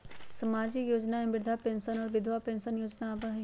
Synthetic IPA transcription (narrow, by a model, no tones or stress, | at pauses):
sɐmaːd͡ʒijoːd͡ʒnaɛ̃mbɪɾd̪ʱapẽːnʃənɔːɾʋɪd̪ʱʋapẽːnsənjoːd͡ʒnabaɦ